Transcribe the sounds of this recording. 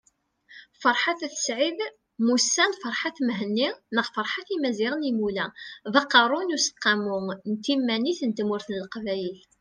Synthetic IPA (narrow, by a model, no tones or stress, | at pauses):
fəɾˤħaθæθə̥sʕið | musːænfəɾˤħaθmɦənːinəʁfəɾˤħaθimæzɪʁənimulæðɑqːɑɾˤʊnusə̥qːɑmʊnt̪ːimːæniθənt̪mʊɾθnəlqvæjəl